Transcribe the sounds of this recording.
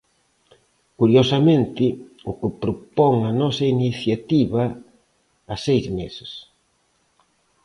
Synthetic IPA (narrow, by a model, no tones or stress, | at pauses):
kuɾjosɐmẽnt̪ɪʊkɪpɾopɔŋɐnɔsɐiniθjat̪iβɐː | sejzmesɪ̥s